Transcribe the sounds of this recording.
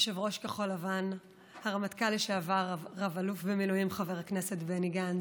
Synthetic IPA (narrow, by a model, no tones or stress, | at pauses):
ʃevʁo̞ʃkeχo̞lavan | haʁamatkaliʃeavaʁʁavalufbemiluimχaveʁaknese̞tbeniɡan